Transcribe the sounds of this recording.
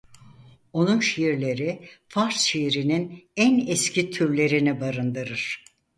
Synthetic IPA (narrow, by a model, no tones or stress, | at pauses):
o̞nunʃijiɾlʲe̞ɾifaɾsʃiiɾininænɛscʰit̪ʰyɾlʲe̞ɾinibaɾɯnd̪ɯɾɯɾ̥